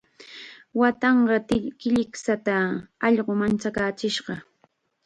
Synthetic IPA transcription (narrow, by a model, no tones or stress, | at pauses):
wat̪ɑɴɢɑtkɪʎɪksat̪aɑʎɢomant͡ʃakaːt͡ʃɪʃɢɑ